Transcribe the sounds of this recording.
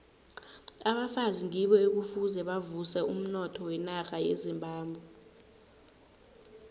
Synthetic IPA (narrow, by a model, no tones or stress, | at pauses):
aɓafaziŋiɓɔek̬ufuzɛɓavusɛum̩nɔtʰɔwɛnaxajezimbʱaːmbʱwɛ